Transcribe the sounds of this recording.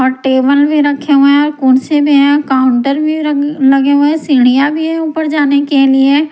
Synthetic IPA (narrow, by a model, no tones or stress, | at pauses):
ɔːɾʈeːbəlbʱiɾɐkʰeɦũɛ̃ɔːɾkʊːnsebʱiɦɛ̃kaːʊ̃ɳʈəɾbʱilɐɡẽɛ̃sɪːɽ̃ijabʱiɦɛ̃upəɾd͡ʒaːnekelie